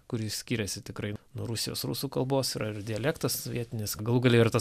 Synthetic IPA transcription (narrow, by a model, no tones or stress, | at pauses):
kʊɾʲɪsʲkʲiːɾʲɛsʲɪt̪ʲɪkɾɐɪnʊɾʊsʲɪjoːsɾʊsuːkɐlˠboːsiːɾɐɪɾd̪ʲɪɛlʲɛkt̪ɐssoʋʲiɛt̪ʲɪnʲɪsɡɐlˠuːɡɐlʲɛɪɪɾt̪ɐ